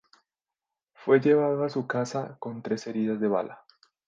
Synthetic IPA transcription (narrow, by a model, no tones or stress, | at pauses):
fwe̞ʝe̞β̞aðoasukasako̞nt̪ɾe̞se̞ɾiðazðe̞βa̰la